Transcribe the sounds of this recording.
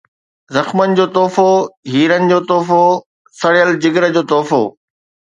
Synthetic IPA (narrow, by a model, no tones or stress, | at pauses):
zɐxmənɪ̆d͡ʑoːt̪ɔːfoɦiːɾənɪ̆d͡ʑoːt̪ɔːfo | sɐɽɪjəld͡ʑɪɡɾəd͡ʑoːt̪ɔːfo̰ː